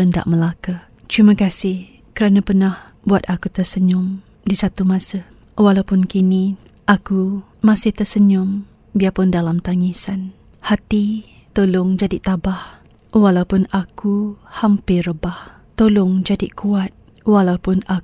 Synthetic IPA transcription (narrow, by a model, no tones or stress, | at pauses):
ənda̰ʔməlaka | d͡ʒimãkasɪh | kəɾanapərnah | buat̪akut̪ərsəɲʊm | disat̪umãsə | walaupʊnkini | ʔaku | masɪht̪əsəɲʊm | biapʊndalamt̪aŋisan | hat̪i | t̪olʊŋd͡ʒadit̪abah | walaupʊnakuhampɪrəbah | t̪olʊŋd͡ʒadikuat̪̚ | walaupʊna